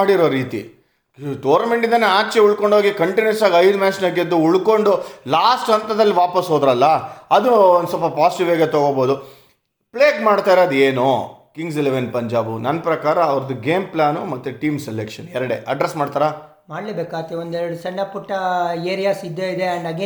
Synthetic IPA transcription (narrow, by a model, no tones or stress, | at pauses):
aːɽiɾoːɾiːt̪ḭ | ʈoːɾnɐme̞ɳʈind̪ɐne̞aːt͡ʃeuɭko̞ɳɖʱɦoːɡikɐɳʈinɐɾsaːɡɐjd̪umaːsnɐːɡid̪ːuuɭko̞ɳɖulaːsʈɦɐnt̪ɾɐd̪ɐlːiʋaːpɐsɦoːd̪ɾɐlːɐɐd̪uond̪usɔlpɐpaːsiʈiʋaːɡet̪oɡoboːd̪u | pɭeːɡmaːɽt̪aːjɾoɐd̪ueːnokiŋɡseleʋenpɐɲd͡ʒaːbunɐnːɐpɾɐkaːɾɐːʋɐɾɐd̪uɡeːmplaːnumɐt̪ːuʈiːmselekʂɐnɛɾɐɽḛʔɐɖɾesmaːɖt̪aːɾaː | maːɖleːbeːkaːt̪ːeond̪ɛɾɐɽusɐɳːɐpuʈːɐeːɾijaːsid̪ːeid̪eɐɳɖaːɡi